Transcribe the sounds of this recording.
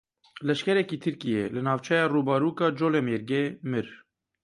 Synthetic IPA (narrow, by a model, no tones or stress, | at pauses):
lɛʃkɛɾɛkiːt̪ʰɨɾkijḛlɨnɑːvt͡ʃʰɛjɑːruːbɑɾuːkɑːd͡ʒoːlemeɾɡemɨɾ